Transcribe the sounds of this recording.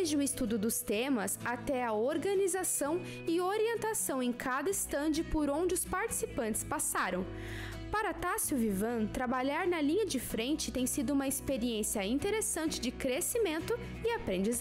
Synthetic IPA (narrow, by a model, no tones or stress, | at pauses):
ezd͡ʒɪʊɪst̪ud̪ʊd̪ʊst̪ẽmɐsat̪ɛɐoɾɡɐnizasɐ̃w̃ | ɪoɾiẽnt̪asɐ̃w̃ẽj̃kʰad̪ɐɪst̪ɐ̃nd͡ʒɪpoɾõñd͡ʒɪʊspaɾt͡ʃi̥sipɐ̃nt͡ʃɪ̥spasaɾɐ̃w̃ | paɾɐt̪asjuvivɐ̃t̪ɾabaʎaɾnɐlĩɲɐd͡ʒɪfɾẽnt͡ʃɪ̥t̪ẽj̃sid̪ʊũmɐɪspeɾiẽsiɐĩt̪eɾesɐ̃nt͡ʃɪd͡ʒɪkɾesimẽnt̪ʊ | ɪapɾẽnd͡ʒiz